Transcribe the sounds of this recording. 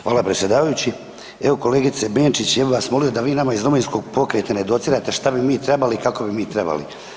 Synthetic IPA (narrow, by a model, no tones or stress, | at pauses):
xʋaːlapɾesʲje̞d̪aːʋajut͡ɕi | eʋo̞ko̞leːɡit̪sebe̞ːnt͡ʃit͡ɕjebiʋaːsmo̞lijo̞d̪aʋiːnamaizɾuminsko̞ɡ̚po̞kɾet̪aned̪o̞t̪siːɾat̪e̞ʃt̪abimiːt̪ɾe̞balikako̞bimiːt̪ɾeba̰lḭ